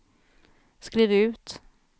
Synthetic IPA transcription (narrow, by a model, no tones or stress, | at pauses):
skɾiːvʉ̟ːt̪